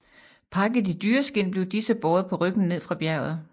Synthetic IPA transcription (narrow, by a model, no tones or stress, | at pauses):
pʰɑ̈ɡ̥ð̩ˠid̥yːɐsɡ̥e̝n̰b̥le̝ʊd̥isəb̥ɒːðˠɐpʰɒ̽ʁœɡ̥n̩ne̝ð̰ˠfʁɑ̈b̥jæɐ̰ð̩ˠ